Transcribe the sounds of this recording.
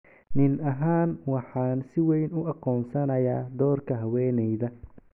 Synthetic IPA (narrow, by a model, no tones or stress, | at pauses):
nɪnɐɦaːnwɑħɑːnsɪwɛjnʊɑqɔːnsɐnɐjaːd̪ɔːrkʰɐɦɐwɛːnɛjðɐ